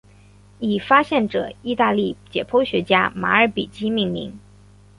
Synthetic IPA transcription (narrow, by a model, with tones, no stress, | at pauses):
i˨˩fa˥ɕjɛ˥˩nʈ͡ʂɤ̰˨˩˦i˥˧t̪a˥˧li˥˩t͡ɕjɛ̰˨˩pʰo˥ʊɕɥɛ˧˥t͡ɕja˥ma̰˧˥ə˞˧˥pi˨˩t͡ɕi˥mi˥˩ŋlḭ˧˥ŋ